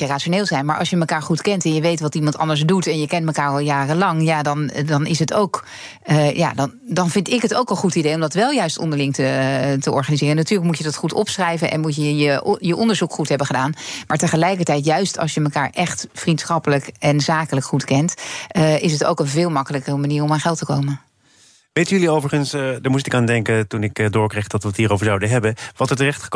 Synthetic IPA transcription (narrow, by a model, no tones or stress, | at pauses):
əraːʃoneːlˠzɛjnmaːɹʔɑ̰sjəməkaːɹχutkɛntɛnjəʋejtʋɑtimɑntɑ̰ndəɹzdutɛnjəkɛntməkaːɹɑlˠjaːrəlɑŋjaːdɑndɑnʔɪ̰sɦəto̰wk | ja̰ːdɑndɑnvɪntɪkɦətowkənχutidejɔmdɑtʋɛlˠjœɥstɔ̰ndəɹlɪŋtətəʔɔ̰ɹχanizɪːrənatyːɹləkmucjədɑtχutɔ̰psrɛjvənʔɛ̰nmutjəjəjəʔɔndəɹzukχutɦɛbənχədaːnmaːɹtəχəlɛjkəɹtɛjtjœɥstɑ̰lˠsjəməkaːɹʔɛχtfrintsχɑpələkɛnzaːkələkχutkɛnt | ɪs̬əto̰wkənvɪːlˠmɑkələkərəmaniːrɔmaːnχɛlˠtəkowmən | ʋejtjyliowvəɹχənsdəɹmustɪkaːndɛŋkətunɪkdʊːɹkrejχd̥ɑtʋətɦiːɾowvəɹzawdəɦɛbənʋɑtəɹtərɛχtχə̥k